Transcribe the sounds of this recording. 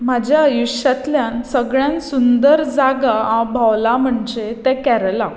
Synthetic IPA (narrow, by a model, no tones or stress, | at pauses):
mad͡ʑʱjaəjuʂat̪ljãnsəɡɭjãnsund̪əɾd͡zaɡaãbʱawlam̤əɳd͡ʑet̪ɛ̃kɛɾla